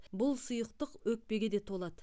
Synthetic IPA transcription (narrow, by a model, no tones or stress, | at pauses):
bʊlˠsʊjəqt̪əqwɵk̚pe̞ɡʲe̞d̪e̞t̪ʰo̞lˠɑd̪ə